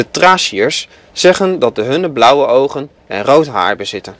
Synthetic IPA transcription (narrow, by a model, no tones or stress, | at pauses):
ətraːsiəɹsː | ɛχəndɑt̚dəɦɵnəblʌwəʔowχən | ɛnrowtɦa̰ːɹbəzɪtən